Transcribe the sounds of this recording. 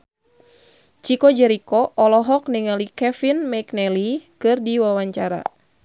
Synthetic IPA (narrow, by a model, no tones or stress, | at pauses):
t͡ʃikɔd͡ʒɛɾikɔʔɔlɔɦɔk̚niŋalikɛfinmɛknɛlikɨrdiwawaɲt͡ʃaɾa̰